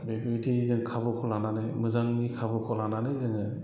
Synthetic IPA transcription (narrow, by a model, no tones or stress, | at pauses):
bebitʰizɯŋkʰabɯkʰɔlananɯjmɯzaŋnikʰabɯkʰɔlananɯjzɯŋɯ